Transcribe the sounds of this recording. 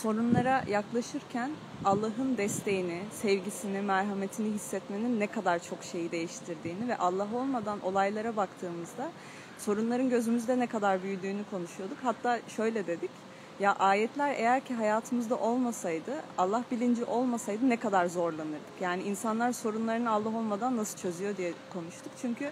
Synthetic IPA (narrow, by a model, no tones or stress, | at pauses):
so̞ɾunlˠaɾajaklˠaʃɯɾcʰæn | alˠːaɦɯnd̪ɛst̪ʰe̞jinɪsɛvɟisinimæɾɦame̞t̪ʰiniɦisːɛt̪me̞ninːɛkʰad̪aɾt͡ʃʰo̞kʃe̞jid̪e̞jiʃt̪ʰiɾd̪iːnivɛʔalˠːaɦo̞lˠmad̪anʔo̞̰lˠajlˠaɾabakt̪ʰɯːmɯzd̪a | so̞ɾunlˠaɾɯnɟø̞zymyzd̪ɛnɛkʰad̪aɾbyjyd̪yːnykʰo̞nuʃujo̞d̪ukhat̪ʰːaːʃø̞jlʲɛd̪e̞d̪ic | jaʔaːjɛt̪ʰlʲæɾe̞̰jæɾcʰiɦajaːt̪ʰɯmɯzd̪aʔo̞lˠmasajd̪ɯalˠːahbilʲind͡ʒiʔo̞lˠmasajd̪ɯnɛkad̪aɾzo̞ɾlˠanɯɾd̪ɯkjaːniinsanlˠaɾso̞ɾunlˠaɾɯnɯalˠːaɦo̞lˠmad̪anːasɯt͡ʃʰø̞zyjo̞d̪ijɛkʰo̞nuʃt̪ʰukt͡ʃʰyɲcʰy